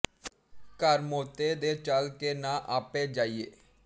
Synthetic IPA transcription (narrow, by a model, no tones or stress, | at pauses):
kəɾmoːt̪eːd̪eːt͡ʃəlkeːnãːʔaːpeːd͡ʒaːieː